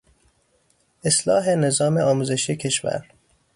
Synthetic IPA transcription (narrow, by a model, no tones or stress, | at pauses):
ʔeslɒ̰ːɦene̞zɒːmeɒːmuːze̞ʃijecʰe̞ʃvæ̰ɾ